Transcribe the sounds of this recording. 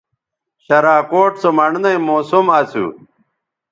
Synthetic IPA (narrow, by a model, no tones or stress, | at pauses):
ɕɐɾaːkoːʈsomɐɳnɐĩmoːsumɐt͡sʰṵ